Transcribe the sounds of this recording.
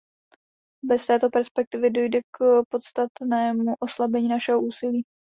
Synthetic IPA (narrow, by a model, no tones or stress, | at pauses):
bɛst̪ɛːt̪o̞pɛɾspɛk̚t̪ɪvɪdo̞jdɛkpo̞t̪st̪at̪nɛːmuʔo̞slabɛɲiːnaʃɛɦoʔuːsɪliː